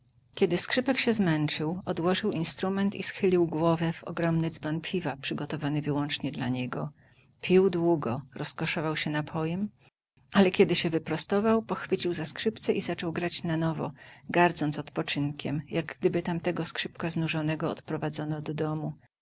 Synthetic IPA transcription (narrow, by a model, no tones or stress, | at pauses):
kʲɛd̪ɘskʂɘpɛkɕɛzmɛnt͡ʂɘwɔd̪wɔʐɘwinst̪ɾumɛnt̪isxɘlʲiwɡwɔvɛvɔ̰ɡɾɔmnɘd̪zbanpʲʰivapʂɘɡɔt̪ɔvanɘvɘwɔnt͡ʂɲɛd̪laɲɛɡɔ | pʲiwd̪wuɡɔɾɔskɔʂɔvawɕɛnapʰɔjɛm | alɛkʲɛd̪ɘɕɛvɘpɾɔst̪ɔvawpɔxfɘt͡ɕiwzaskʂɘpt̪sɛʔizat͡ʂɔwɡɾat͡ɕnanɔvɔ̰ɡaɾd̪zɔntsɔt̪pɔt͡ʂɘnkʲɛmjaɡɡd̪ɘbɘt̪amt̪ɛɡɔskʂɘpkaznuʐɔnɛɡɔɔ̰t̪pɾɔvad̪zɔnɔd̪ɔd̪ɔmu